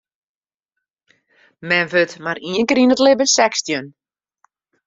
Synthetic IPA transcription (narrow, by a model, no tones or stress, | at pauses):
mɛnʋøtmariəŋkəɾinətlɪbənsɛkstjən